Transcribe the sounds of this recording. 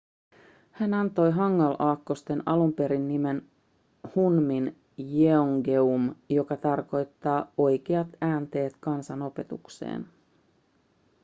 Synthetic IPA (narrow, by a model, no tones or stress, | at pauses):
hænɑnt̪o̞jɦɑŋːɑlʔɑːkːo̞st̪e̞nɑlumpe̞ɾinːime̞n | hunmin | jeoŋɡe̞umjo̞kɑt̪ɑrko̞jt̪ːɑːo̞jk̟eɑt̪æːnt̪e̞ːt̪kɑnsɑno̞pe̞t̪uksḛːn